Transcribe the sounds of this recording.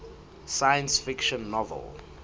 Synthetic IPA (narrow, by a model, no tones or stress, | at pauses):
sajə̃nsfɪkʃɔ̃nːɔvɛ̰lˠ